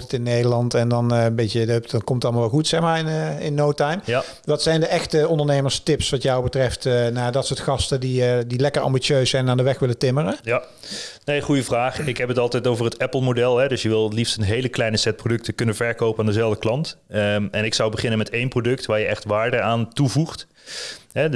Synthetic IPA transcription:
tətɪnːejdəlɑntɛndɑnbetədpdnkɔmtəɑlˠəmalˠʋɛlˠxutsɛxmaːɹɪnɪnːowtajm | ʋɑtsɛjndəʔɛxtəɔndəɹnejməɹstɪpsʋɑtjɔwbətrɛftənaːdɑtsoːtxɑstədiədilɛkəɹɑ̰mbisøɥsɛjnnaːndəʋɛxʋɪlətɪməɾəja | nejχujəvraːχɪkɦɛpətɑlˠtɛjtowvəɹɦətɛpəl̩ˠmodɛlˠɦɛdɵsjəʋɪlˠtlifstənɦejləklɛjnəsɛt̚prodɵk̚təkɵnənvɛɹkowpəaːndəzɛlˠvdəklɑntɛnɪksʌwbəχɪnənmɛtejnprodɵktʋaːɹjəɛχtʋaːɹdəaːntuvuχt | ɦɛ

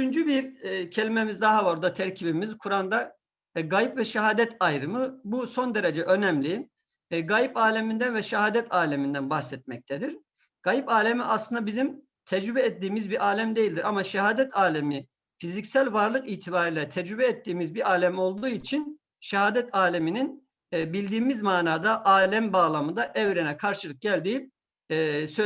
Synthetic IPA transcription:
yt͡ʃʰynd͡ʒybiɾcʰe̞lʲimemizd̪aɦavaɾd̪at̪ʰæɾcʰibimizkʰuɾand̪a | ɡajipvɛʃɛɦaːd̪ɛt̪ʰajɾɯmɯbuso̞nd̪eɾɛd͡ʒɛʔø̞nɛmlʲi | ɡajipaːlʲemind̪ænvɛʃɛɦaːd̪ɛt̪ʰaːlʲemind̪ænbaxsɛt̪̚mɛc̚t̪ʰɛd̪iɾ | ɡ̥ajipaːlʲemiʔaslˠɯnd̪abizim | t̪ʰɛd͡ʒɾybɛːt̪dːiːmizbiɾʔaːlʲæmd̪e̞jilʲd̪iɾʔamaʃɛɦaːd̪ɛt̪ʰaːlʲemi | fizicsælʲvaɾlˠɯkiːt̪ʰibaːɾilʲɛt̪ʰɛd͡ʒɾybɛɛt̪ːiːmizbiɾaːlʲæmo̞lˠd̪uːit͡ʃʰin | ʃɛɦaːd̪ɛt̪ʰaːlʲemininː | bilʲd̪iːmizmaːnaːd̪aʔaːlʲæmbaːlˠamɯd̪aʔɛvɾɛnɛkʰaɾʃɯlˠɯk̚ɟælʲd̪iː | sø

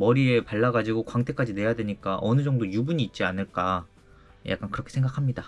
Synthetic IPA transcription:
mʌɾie̞paɭːaɡad͡ʑiɡokwaŋtʰe̞k͈ad͡ʑine̞jadwe̞ɲik͈aʔʌnɯd͡ʑʌŋdojubuɲiːt̚t͡ɕ͈ianɯɭk͈a | ja̰k͈ankɯɾʌkʰesʰe̞ŋɡakʰamɲida

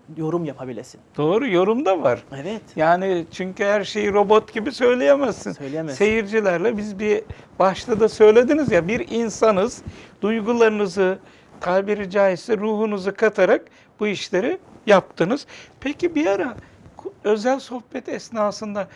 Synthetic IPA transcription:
jo̞ɾumjapʰabilʲesind̪̥o̞ːɾujo̞ɾumd̪avaɾ̥ɛvɛt̪jaːnit͡ʃʰyɲcyhæɾʃe̞jiɾo̞bo̞t̪ɟibisø̞jlʲejemɛzːɯnøjlʲemse̞jiɾd͡ʒilʲæɾlʲˠɛbizbibaʃlˠad̪asø̞jlʲe̞d̪inizjabiɾinsanɯz̥d̪̥ujɡulˠaɾɯnɯzɯ | t̪ʰaːbiɾid͡ʒaːisɛɾuːɦunuzɯkʰat̪ʰaɾak̚ | b̥uiʃlʲe̞ɾijap̚t̪ʰɯnɯz̥pʰecibijaɾa | kʰø̞zælʲso̞hbɛt̪ʰɛsnaːsɯnd̪a

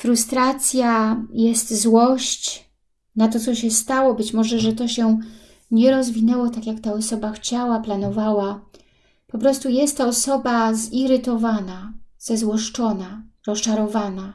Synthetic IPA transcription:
fɾust̪ɾat̪sʲjajɛst̪zwɔɕt͡ɕ | nat̪̬ɔt̪sɔɕɛst̪awɔbɘt͡ɕmɔʐɛʐɛt̪ɔɕɛ | ɲɛɾɔzvʲinɛwɔt̪akʲjakt̪aɔsɔbaxt͡ɕawaplanɔvawa | pɔpɾɔst̪ujɛst̪t̪ːɔːsɔbaziɾɘt̪ɔvanaz̥ɛzwɔʂt͡ʂɔnaɾɔst͡ʂaɾɔvana

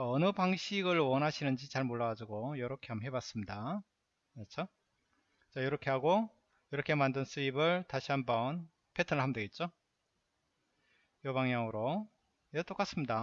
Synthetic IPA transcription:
ʌnɯpaŋɕʰiɡɯɭwʌnɦaɕʰinɯnd͡ʑit͡ɕaɭmoɭːaɡad͡ʑiɡojʌɾʌkʰe̞ɦamɦe̞bas͈ɯmɲida | mat͡ɕʰo | t͡ɕajʌɾʌkʰe̞ɦaɡo | jʌɾʌkʰemandɯns͈ɯibɯɭtaɕʰiɦambʌn | pʰe̞tʰɯnɯɭhamdeɡe̞t̚t͡ɕ͈o | jʌbaŋjaŋɯɾo | jet͈ok͈as͈ɯmɲida

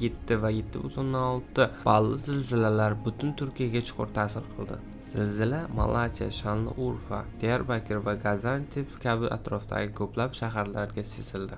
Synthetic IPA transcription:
jet̪ʰːɪvajet̪ʰːɪbʊt̪onːaɒlˠt̪ɪb̥ɑlˠːɨzɪlzɪlalaɾbʊt̪ʰʊnt̪ʰʊɾkʲʰijaɡʲat͡ʃʰʊ̥qʰʊ̰ɾt̪ʰasɪɾqʰɨlˠd̪ɪ̰ | z̥ɪlzɪlama̰lˠat̪ʲʰija̰ʃanlˠɪ̰ʔuɾfa̰d̪̥ejaɾbakʲʰɪɾvaɡazant̪ʰɪpkʲʰabɪʔa̰t̪ɾɒft̪ʰa̰ɡʲɪkʰɵplapʃaɦaɾlaɾɡʲasezɪld̪ɪ

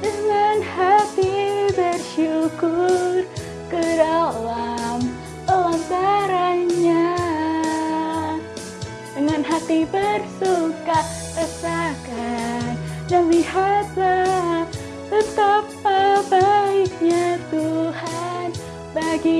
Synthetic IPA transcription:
dəŋanhat̪ibərʃukʊr | kədalam | alambaɾaɲa | dəŋanɦat̪ibərsukaʔ | pəsakannəlihaza | t̪ət̪apːəbaik̚ɲat̪uhan | baɡi

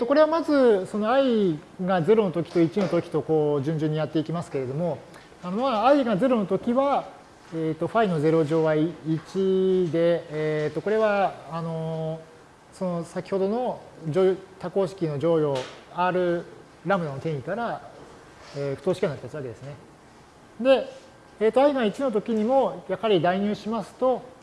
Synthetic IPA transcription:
et̪ːo̞ko̞ɾe̞βamazɨso̞no̞ai | ɡaze̞ɾo̞no̞t̪o̞kʲi̥t̪o̞it͡ɕino̞t̪o̞kʲi̥t̪o̞ko̞ːʑɨ̃ɲ̟d͡ʑɨ̃ɲ̟ːijat̪ːe̞ikʲimasɨ̥ke̞ɾe̞d̪o̞mo̞ | ano̞maːiɡaze̞ɾo̞not̪o̞kʲiβa | et̪ːo̞ɸaino̞ze̞ɾo̞ʑo̞ːβaiit͡ɕid̪e̞t̪ːo̞ko̞ɾe̞βaːno̞ | so̞no̞sakʲi̥ho̞d̪o̞no̞d͡ʑojot̪ako̞ːɕi̥kʲino̞ʑo̞ːjo̞ːaɾɯ̟ | ɾamɯɾanot̪ẽikaɾa | eːɸɯ̟t̪o̞ːɕi̥kʲianait̪asaβaked̪e̞sɨne̞ | d̪e̞ | eːt̪ːoaiɡait͡ɕino̞t̪̬o̞kʲiɲ̟imo̞jakhaɾʲid̪aiɲ̟ɨːɕimasɨ̥t̪o̞

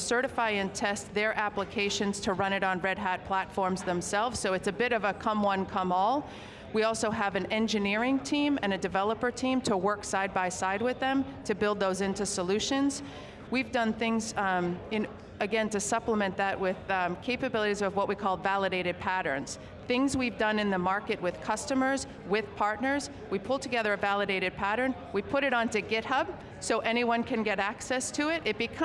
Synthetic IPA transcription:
sɜ˞ɾɨfaɪɨ̃ntʰɛstðə˞ʔæpləkʰeɪʃɨ̃nz̥tʰɨɹʌ̃ɾ̃ɨɾn̩ɹɛd̚ɦæt̚pʰl̥ætfɔɹmzðə̃msɛlˠvz̥soʊɨtsɨbɪɾʌvəkʰʌ̃mwʌ̃nkʰʌ̃mɔlˠ | wiɔlˠsoʊəvɨ̃nɛ̃nd͡ʒɨnɪɹɪ̃ŋtʰĩmɨ̃nɨdɨvɛlˠəpə˞tʰĩmtʰəwɜ˞ksaɪd̚baɪsaɪd̚wɨðɨ̃mtʰɨbɪlˠd̪̚ðoʊzɪ̃ntʉsəlʉʃɨ̃nz̥ | wivdʌ̃nθɪ̃ŋzɪ̃n | ɨɡɛ̃ntɨsʌpləmɨ̃nðɨʔ̚wɪð̥kʰeɪpɨbɪlˠəɾizʌvwʌʔ̚wikʰɔlˠvælˠəɾeɪɾɨd̚pʰæɾə̃˞nz̥ | θɪ̃ŋzwivdʌ̃nɨ̃nðɨmɑɹkɨt̚wɨð̥kʰʌstɨmə˞z | wɪð̥pʰɑɹtⁿnə˞z | wipʰʊlˠtʰɨɡɛðə˞ɨvælˠəɾeɪɾɨd̚pʰæɾə̃˞n | wipʰʊɾɨɾn̩tɨɡɪt̚hʌb̥ | soʊʔɛñiwʌ̃nkʰɨ̃nɡɛɾæksɛstʰɨɪɾɨt̚b̥ɨkʰ

